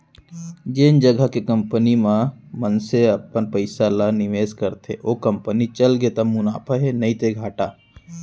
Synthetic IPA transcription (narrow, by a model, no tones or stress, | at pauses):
d͡ʒend͡ʒəɡəkekə̃mpənimãmənseɐpənpəɪsalanɪʋeːskəɾt̪ʰḛʔoːkə̃mpənit͡ʃəlɡet̪əmʊnaːpʰəɦenɐĩt̪eɡʱaːʈaː